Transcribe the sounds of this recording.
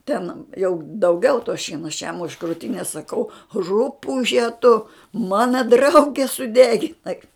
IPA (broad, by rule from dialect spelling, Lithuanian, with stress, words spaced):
tʲɛn jɛʊ dɐʊˈɡʲɛʊ toː ˈʃʲiɛnoː ɐʃ jɛm ʊʃ kruːˈtʲɪnʲeːs sɐˈkɐʊ ˈrʊpʊʒʲɛ tʊ ˈmɑːnɐ ˈdrɐʊɡʲɛ sʊˈdʲæːɡʲɪnɐɪ